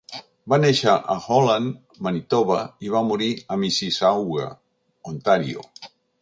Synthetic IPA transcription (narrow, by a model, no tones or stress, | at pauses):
baneʃəʔəxolan | manit̪oβaiβamuɾiəmisisawɣa̰ | ont̪aɾḭo̰